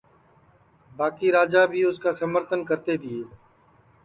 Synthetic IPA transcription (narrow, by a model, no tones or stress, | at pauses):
baːkiːɾaːd͡ʒaːbʱiːʊskaːsəməɾt̪ənkəɾt̪eːd̪ɪeː